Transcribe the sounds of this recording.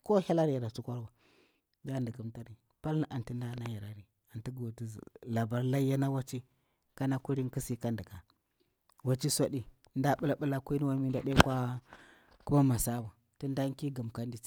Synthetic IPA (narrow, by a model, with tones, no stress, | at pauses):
ko˦ha˦la˦ɾi˨ja˨ɾa˨t͡su˦kʷa˦ɾwa˨ | d͡ʒa˦˨ndə˨ku˦mta˦ɾi˨ | pa˦lna˦ʔa˨nti˦nda˦na˦ja˨ɾa˨ɾi˨ | a˨nti˦ɡo˨ti˦z̰la˨ba˨ɾla˦ja˦na˦wa˦t͡ʃi˦ | ka˦na˦ku˦ɾi˦ki˦si˦ka˦ndə˨ka˨ | wa˨t͡ʃi˦sʷa˦ɗi˨˦ | nda˦ɓu˦la˦ɓu˦la˦ku˦ni˦wa˦n˦mi˦nda˨ɗe˦kʷa˦ | ku˦ma˦ma˨sa˦ba˨ | ti˦nda˦ŋ˦ki˦ɡa˨mka˦ndi˦i̥˦